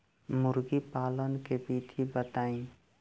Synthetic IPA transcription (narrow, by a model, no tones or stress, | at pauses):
mʊɾɡipaːlənkebiːt̪ʰibət̪aːĩ